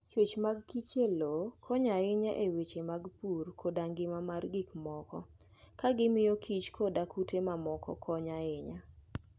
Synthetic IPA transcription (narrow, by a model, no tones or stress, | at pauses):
t͡ʃwet͡ʃmaɡ̚kit͡ʃelokʰɔɲaɪɲaʔewet͡ʃemaɡpurkʰodaŋɡɪmamarɡikmɔkɔ | kaɡɪmɪjɔkʰit͡ʃkʰodakutʰemamɔkɔ̰kʰɔɲaɪɲa